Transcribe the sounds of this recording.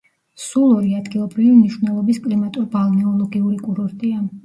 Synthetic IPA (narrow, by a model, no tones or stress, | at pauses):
sulˠɔɾiad̪ɡilˠɔbɾivimniʃwnɛlˠɔbiskʼlimat̪ʼuɾbalˠnɛɔlˠɔɡiuɾikʼuɾɔɾt̪ʼia